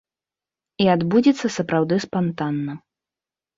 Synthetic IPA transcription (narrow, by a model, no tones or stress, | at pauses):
iad̪bud͡zʲit̪sːɐsɐpɾawd̪ɨspant̪anːɐ